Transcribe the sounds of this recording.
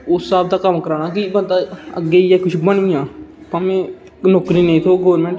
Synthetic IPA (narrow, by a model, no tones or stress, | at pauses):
ʊsːaːb̚d̪aːkəmkəɾaːnaːkibənd̪aːə̰ɡːeːijaːkʊt͡ʃʰbəɳʋɪ̃jãː | pəmɛ̃ː | noːkɾiːnə̃ĩːt̪ʰoːɡoːəɾmẽːɳʈ